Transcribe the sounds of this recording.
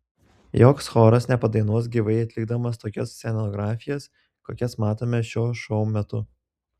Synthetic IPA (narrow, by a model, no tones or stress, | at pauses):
joːksxoːɾɐsnʲɛpɐd̪ɐɪnuɔsɡʲiʋɐɪɐt̪ʲlʲɪɡd̪ɐmɐst̪oːkʲɛsʲsʲɛnoɡɾɑːfʲɪjɛs | ko̰ːkʲɛsmɑːt̪oːmʲɛʃʲoːʃɔʊmʲɛt̪ʊ